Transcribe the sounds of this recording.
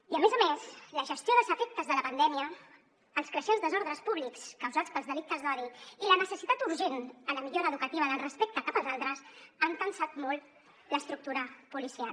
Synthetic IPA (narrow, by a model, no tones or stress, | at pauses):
iəmezəmesləʒəst̪joðəlˠzəfek̚t̪əzðələpənd̪ɛmiəː | lˠskɾəʃɛnzðəzɔɾðɾəspuβlikskəwzat͡spəlzðəlik̚t̪əzðɔðiilənəsəsit̪at̪uɾʒenələmiʎoɾəːðukət̪iβəðəlˠrəspek̚t̪əkapəlˠzalˠt̪ɾəsaŋkənsat̪mɔlˠ | ləst̪ɾuk̚t̪uɾəpulisia